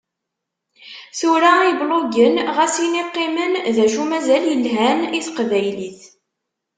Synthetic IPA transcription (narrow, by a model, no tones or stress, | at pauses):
θuɾæibloɡənʁæsiniqːɪmənðæʃumæzæljəlɦæniθqvæjliθ